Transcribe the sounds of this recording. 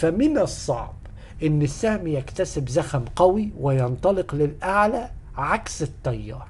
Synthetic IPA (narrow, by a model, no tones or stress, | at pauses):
famɪnɑsˤːɑ̰ʕb | ʔɪnːɪsːaːmijakt̪asɪbzaxamqɑwiwɪjɑnt̪ˤɑlɪqlɪlʔaʕla | ʕaksɪt̪ːɑjːɑ̰ːɾˤ